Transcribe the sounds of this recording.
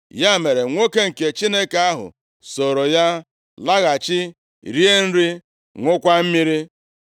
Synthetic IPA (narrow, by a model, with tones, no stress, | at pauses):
ja˦me˨ɾe˨ŋʷo˦ke˦ŋ̩˨ke˨t͡ʃi˦ne˦ka˦ɦʊ̰˨ | so˨ɾo˨ja˦ | la˦ɣa˨t͡ʃɪ˦ | ɾi˦e˦n̩˦ɾi˦ | ŋʷʊ˦kʷa˦m̩˦mi˦ɾi˦